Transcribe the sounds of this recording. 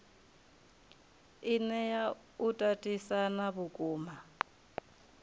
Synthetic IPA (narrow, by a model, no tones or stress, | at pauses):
inɛja | utʼatʼisanaβukʼuːma